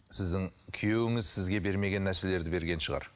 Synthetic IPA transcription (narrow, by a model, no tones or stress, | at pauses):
sɪzd̪ɪŋkʲʰijewɪŋɪzsɪzɡʲe̞be̞ɾme̞ɡʲe̞nːæɾse̞le̞ɾd̪ɪbe̞ɾɡʲe̞nʃəʁɑ̰ɾ